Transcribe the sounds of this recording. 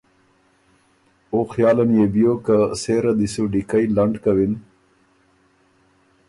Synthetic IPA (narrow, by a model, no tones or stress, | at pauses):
oxjɑːlanjebijokaseɾad̪isuɖikajlaɳɖkawin